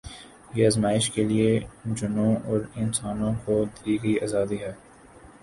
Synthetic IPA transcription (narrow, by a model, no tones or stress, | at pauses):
jeːɐzmaːɪʃkelied͡ʒʊnõɔːɾɪnsaːnõkod̪iːɡəiɐːzaːd̪iɦɛː